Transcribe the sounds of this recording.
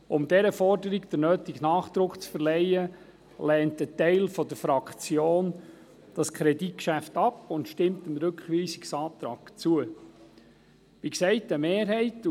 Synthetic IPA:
ʔʊmdɛɾəfɔrdəɾiɡd̥ənøːtiɡnɑːχd̪̥ɾʊkt͡sfəɾlɛɪə | lɛːntətɛɪlfɔdəɾfɾɑkχt͡sjoːn | d̥ɑskʰɾɛdit̚kʃæftɑpʊntʃtɪmtəmɾɵkχʋiːsi̥ksɑːt̪ɾɑːkt͡suə | ʋiksɛɪtəmeːɾɦɛɪt

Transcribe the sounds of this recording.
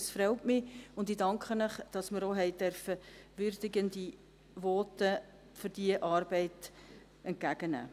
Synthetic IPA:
sfɾɛʊtmɪʊndɪdɑŋkχənəχd̥ɑsməɾoɦɛɪdɛɾfəʋʏrd̥ɪɡəndi | ʋɔːtə | fʏɾd̥iəʔɑːɾbɛɪt | ɛnt̚kæɡ̥ənæ̰ː

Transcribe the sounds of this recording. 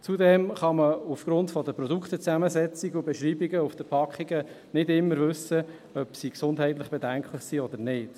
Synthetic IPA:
t͡sudɛmχɑməufɡ̥ɾʊntfɔdəpɾɔd̪ukχt̪ət͡sæməzɛt͡siɡubɛʃɾiːbiɡəufd̪̥əpʰɑkχiɡə | nɪdɪmːəɾvɵsə | œpsiksʊndɦɛɪt̪ləχb̥edæŋkχləχsiɔd̪əɾnɪːd̥

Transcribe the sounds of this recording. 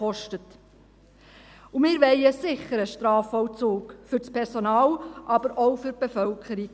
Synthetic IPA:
ɔʃtət | umɪːɾʋɛɪəsɪχəɾəʃtɾɑːfɔt͡suːkfʏɾspʰɛɾsonɑːlʔɑbəɾʔoʊfʏɾb̥efœlkχəɾi̥

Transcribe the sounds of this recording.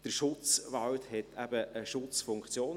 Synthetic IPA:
d̥əɾʃʊt͡sʋɑwthɛt̪ʰæbəʔəʃʊt͡sfʊŋkt͡sjoːn

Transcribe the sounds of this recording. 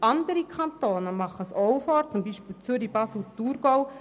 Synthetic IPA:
ɑnd̪əɾikʰɑnt̪oːnəmɑχːəsɔwfɔːɾt͡sumbiːʃpiːlt͡sʏɾib̥ɑːsl̩tuːɾɡ̥ɔw

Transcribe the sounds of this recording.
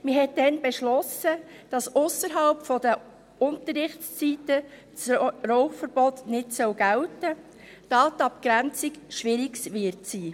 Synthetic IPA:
mɪɦɛt̚dɛnbɛʃlɔsəd̥ɑsʊsəɾɦɑlpfɔd̥ə | ʊntəɾɪχst͡sitə | t͡srɔʊfəɾb̥ɔtnɪtsœwɡ̥æltə | d̥ɑːtɑpkɾænt͡sɪkʃʋɪɾɪksvɪɾtsiː

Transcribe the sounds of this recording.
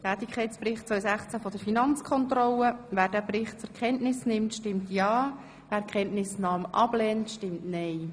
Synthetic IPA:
tæːtɪkʰχɛɪt͡sprɪχt̚t͡sʋœʏjsæχt͡sæfɔd̥əɾfinɑnt͡skʰɔntrɔləvæːɾdæːbrɪχtt͡sʊɾkʰχɛntnɪsnɪmtʃtɪmtjɑː | ʋæːɾkχɛntnɪsnɑːmʔɑblɛntʃtɪmtnɛɪ

